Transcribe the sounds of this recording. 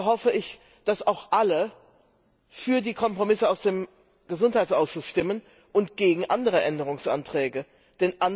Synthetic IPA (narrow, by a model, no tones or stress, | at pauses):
hɔfəʔɪç | d̥asaʊxʔalə | fyːɐdiːkʰɔmpʁ̥omɪsəaʊsd̥eːm | ɡ̥əzʊnthaɪtt͡sʔaʊsʃʊsʃtɪmən | ʔʊntɡ̥eːɡŋ̩ʔandəʁ̞əʔɛndəʁ̞ʊŋsʔa̰ntʁ̥ɛːɡə | d̥ɛnʔan